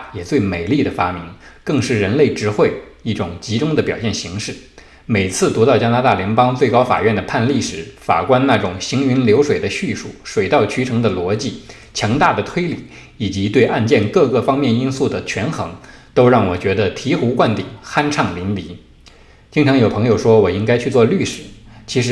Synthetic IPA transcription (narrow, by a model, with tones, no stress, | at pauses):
jɛ˨˩t͡swe˥˩ɪme˨˩ɪli˥˩d̪ə˩fa˥mi˧˥ŋkɤ˥˧ŋʂɻ̩˥˩ɻə˧˥nle˥˩ɪʈ͡ʂɻ̩˧˥xwe˥˩ɪ | i˥˩ʈ͡ʂʊ˨˩ŋt͡ɕi˧˥ʈ͡ʂʊ˥ŋd̪ə˨pjɑ˨˩ɕjɛ˥˩nɕi˧˥ŋʂɻ̩˥˩ | me˨˩ɪt͡sʰɹ̩˥˩t̪u˧˥t̪ɑ˥˩ʊt͡ɕja˥na˧˥t̪a˥˩ljɛ˧˥npɑ˥ŋt͡swe˥˩ɪkɑ˥ʊfa̰˨˩ɥɛ˥˩nd̪ə˩pʰa˥˧nli˥˩ʂɻ̩˨˧˥fa̰˨˩kwa˥nna˥˩ʈ͡ʂʊ˨˩ŋɕi˧˥ŋy˧˥nljo˧˥ʊʂwe˨˩ɪd̪ə˦ɕy˥˧ʂṵ˥˩ʂwe˨˩ɪt̪ɑ˥˩ʊt͡ɕʰy˧˥ʈ͡ʂʰɤ˧˥ŋd̪ə˧lwɔ˧˥t͡ɕi˥˩ | t͡ɕʰjɑ˧˥ŋt̪a˥˩d̪ə˩t̪ʰwe˥ɪli˨˩˦ | i˨˩t͡ɕi˧˥t̪we˥˧ɪʔa˥˧nt͡ɕjɛ˥˧nkɤ˥˧kɤ˥˩fɑ˥ŋmjɛ˥˩ni˥nsu˥˩d̪ə˩t͡ɕʰɥɛ˧˥nxɤ˧˥ŋt̪o˥ʊɻɑ˥˩ŋwɔ˨˩t͡ɕɥɛ˧˥d̪ə˧t̪ʰi˧˥xu˧˥kwa˥˩nt̪i˨˩ŋxa˥nʈ͡ʂʰɑ˥˩ŋli˧˥nli˧˥ | t͡ɕi˥ŋʈ͡ʂʰɑ˧˥ŋjo˨˩ʊpʰɤ˧˥ŋjo˧˩ʊʂwɔ˥wɔ˨˩i˥ŋka˥ɪt͡ɕʰy˥˧t͡swɔ˥˧ly˥˩ʂɻ̩˨˩˦t͡ɕʰi˧˥ʂɻ̩˧˥